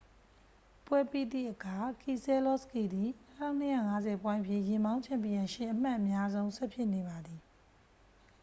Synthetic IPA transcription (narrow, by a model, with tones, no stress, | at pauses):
pwɛ˦pi˦˨d̪ḭ˦˨ʔəkʰa˨kʰi˨sɛ˦lɔ˦˨ski˦˨d̪i˨ntʰã˦ʊ̃n̥əja̰˦˨ŋa˦zɛ˨pwã˦ɪ̃ʔpʰjḭ̃˦˨jɪ̃˨mbã˦ʊ̃mpʰã˦˨mpi˨jã˨ʃɪ̰̃˦˨ʔəm̥a˦ʔəmja˦zõ˦ʊ̃sɛ˦pʰjɪ˦ʔne˨ba˨d̪ði˨